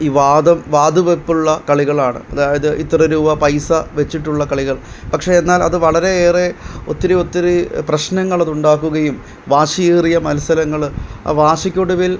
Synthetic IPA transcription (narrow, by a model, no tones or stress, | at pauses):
iːʋaːd̪ɐmʋaːd̪uʋepːuɭːɐkɐɭiɣɐɭaːɳɨ̰ɐðaːjɐðɨʔit̪ːrɐɾuːʋɐpɐjsɐʋe̞t͡ɕːiʈːuɭːɐkɐɭiɣɐɭ | pɐkʂe̞enːaːlɐ̰ðɨʋɐɭɐɾe̞eːre̞o̞t̪ːiɾɨo̞t̪ːiɾuprɐɕnɐŋːɐɭɐðuɳɖaːkːuɣɐjum | ʋaːɕijiːrijɐmɐlsɐlɐŋːɐɭa̰ʋaːɕɐkʲːoɽuʋil